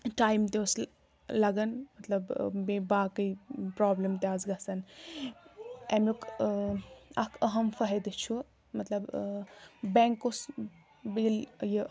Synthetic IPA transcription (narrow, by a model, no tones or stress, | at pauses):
ʈaːjmt̪eus | lɐɡɐnmɐt̪lɐbmebaːkɐjpɾaːblemt̪jaːzɡɐsɐn | emukʰ | ɐkʰɐɦɐmfɐɦɐd̪ɨt͡ʃʰu | mɐt̪lɐb | beːŋkːos | bilji